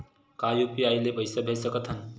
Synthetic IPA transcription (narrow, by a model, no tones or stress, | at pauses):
kaːjupiaːilebɐjsɐbʱeːsɐkɐt̪ʰɐn